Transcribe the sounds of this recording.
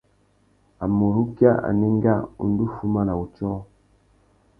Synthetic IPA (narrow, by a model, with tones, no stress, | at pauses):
a˨mo˨ɾu˦kja˦a̰˨nɛ˦ŋ˦ɡa˦ṵ˨n˦du˦fu˦ma˦la˨u˨t͡ʃɔ˦